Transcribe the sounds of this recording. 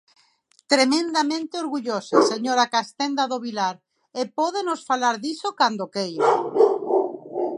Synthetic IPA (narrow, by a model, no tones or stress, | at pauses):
t̪ɾemẽnd̪amẽnt̪eoɾɣuʎoseseɲoɾakast̪end̪aðoβilaɾ | epɔðenosfalaɾðisokand̪okejo